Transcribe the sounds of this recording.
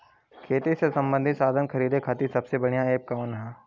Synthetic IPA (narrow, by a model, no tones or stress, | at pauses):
kʰeːt̪isesɐ̃mbə̃nd̪ʱɪt̪saːd̪ʱənkʰɐɾiːd̪ekʰaːt̪isɐbsebɐɽ̤̃jãeːp̚kanɦɛ̃ː